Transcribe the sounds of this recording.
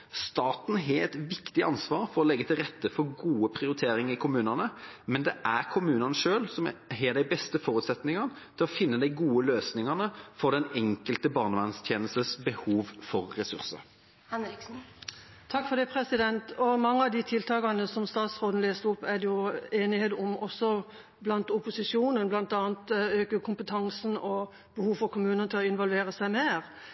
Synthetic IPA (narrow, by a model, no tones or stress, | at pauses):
st̪ɑːt̪n̩ɦeɛt̪ʋɪkt̪ɪʔɑnsʋɑːɾfɔɾɔlɛɡːət̪ʰɪlʁɛt̪ːəfɔɾɡuːəpʰʁɪʊɾɪt̪ʰeːɾɪŋɪkʰʊmʉːnɑnəmɛnd̪ɛʔæʁkʰʊmʉːnɑnəʂøːlsɔmɦɛːd̪æɪbɛst̪əfɔːʁʉːt̪sɛt̪nɪŋɑn | t̪ʰɪlɔfɪnːəd̪æɪɡuːəløːsnɪŋɑnəfɔɾd̪ɛnɛŋkəlt̪əbɑːʁnəʋɑnst̪ʰjeːnəst̪əsbəhuːʋfɔʁːɛsʉ̰ʁsə̰ɾ | hɛnɾɪksn̩ | t̪ʰɑkːfɔd̪ɛːpʰɾɛsɪd̪ɛnt̪ɔmɑŋːəɑʋd̪ɪt̪ʰɪlt̪ʰɑːɡɑnəsɔmst̪ɑːt̪sʁoːd̪n̩leːst̪əʊpːæd̪jʊeːnɪheːd̪ʊmɔsːɔ | blɑnt̪ʊpʊsɪʂuːnənblɑnt̪ɑːnt̪øːkəkʰʊmpət̪ʰɑŋsn̩ɔ | b̥əhuːʋfɔɾkʰʊmʉːnənət̪ʰɪlɔɪnʋɔlʋeːɾəsæɪmeːɾ